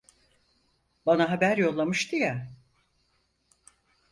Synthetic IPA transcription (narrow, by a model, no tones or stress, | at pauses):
banaɦabæɾjo̞lˠːamɯʃt̪ɯja